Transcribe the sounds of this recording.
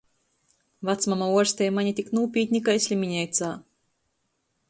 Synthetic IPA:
vat̪smamauɔɾsʲt̪ʲɛjmaɲit̪ʲiknuːpʲiːt̪ʲnʲikajsʲlʲimʲiɲʲɛjt̪saː

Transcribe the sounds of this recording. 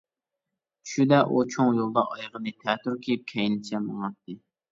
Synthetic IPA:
ʃud̪ɛʔut͡ʃʰoŋjolˠd̪ɑʔɑjʁənɨt̪ʰɛt̪yɾkʲʰejip̚kʲʰɛjnɪt͡ʃʰɛməŋɑt̪ːɨ

